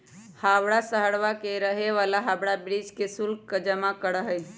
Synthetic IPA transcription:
habɽasəɦəɽʋakeɾəɦeʋalaɦabɽabɾid͡ʒkesulkkəd͡ʒəmakəɾəɦəj

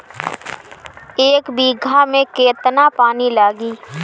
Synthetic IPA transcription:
eːkbiːɡʱamẽkeːt̪napaːnilaːɡiː

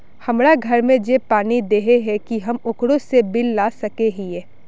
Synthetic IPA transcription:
hɐmɾaɡʱɐɾmẽd͡ʒepaːnid̪eːɦeɦɛkiɦɐmʊkɽosebɪlːaːsɐkeɦiɛː

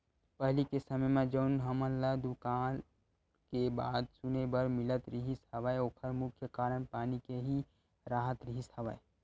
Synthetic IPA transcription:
pəɦlikesəməjmẽd͡ʒəʊnɦəmənlad̪ukan | keba̰ːd̪sunebəɾmilət̪ɾiɦishəʋəeoːkʰəɾmʊkʰjəkaːɾənpaːnikeɦi | ɾaːɦət̪ɾiɦishəʋə̰e

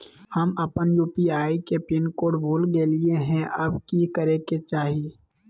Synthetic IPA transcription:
hɐmɐpənjuːpiaːikepɪnkoːɖbʱoːlɡelieɦɛ̃ʔɐbkikəɾeket͡ʃaːɦie

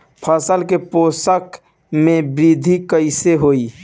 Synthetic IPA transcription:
pʰəsəlkeposək | mẽbɾid̪ʱikəɪseɦoːi

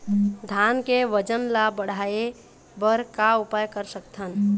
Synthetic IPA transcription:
d̪ʱankeʋəd͡ʒənlabəɽ̤ae | bəɾkaupajkəɾsəkt̪ʰən

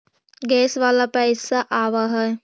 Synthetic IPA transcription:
ɡɛːsʋalapaɪsaʔaʋaɦɛ

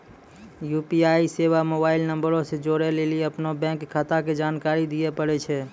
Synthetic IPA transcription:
jupiaiseʋamobailnəmbəɾõsẽd͡ʒoɾɛleliəpnobɛ̃kːʰat̪aked͡ʒankaɾid̪ijɛpəɽɛt͡ʃʰɛ

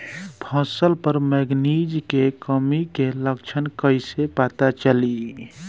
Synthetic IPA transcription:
pʰɔ̃səlpəɾmɛɡnid͡ʒkekəmikeləkt͡ʃʰənkəɪsepat̪at͡ʃəli

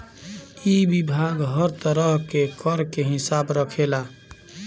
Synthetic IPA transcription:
ibibʱaɡɦəɾt̪əɾəɦkekəɾkeɦɪsaːbɾəkʰela

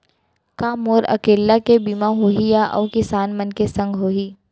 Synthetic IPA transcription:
kaːmoːɾɐ̰keːlːakebimaɦoːɦijaʔɔ̰ːkɪsaːnmənkesɐ̃ŋɡʱɦoːɦiː

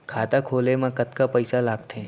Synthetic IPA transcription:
kʰaːt̪akʰoːlemãkət̪kapəjsalaːɡt̪ʰe

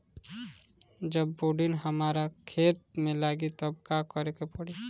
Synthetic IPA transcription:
d͡ʒəbːoɖinɦəmaːɾakʰeːt̪̚mẽlaːɡit̪ob̚kakəɾekepɔɽi

